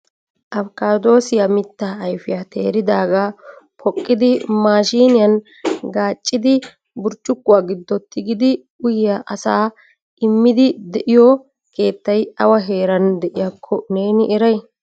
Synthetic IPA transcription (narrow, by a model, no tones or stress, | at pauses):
ʔɐfkaːd̪o̞ːsɪjamɪt̪ːaːɐjfɪjat̪ʰe̞̰ːɾɪd̪aːɡaːpʰɔkʼːɪd̪ɪmaːʃiːnɪjɐn | ɡaːt͡ʃʼːɪd̪ɪ | bʊɾt͡ʃʼːʊkːʊaːɡɪd̪ːɔt̪ʰːɪɡɪd̪ɪ | ʊjɪjaʔɐsaː | ʔɪmːɪd̪ɪd̪ɛʔɪjɔ | kʰe̞ːt̪ːɐjɐwɐɦe̞ːɾɐnd̪ɛʔɪjɐkʰːɔne̞ːnɪʔɛɾɐj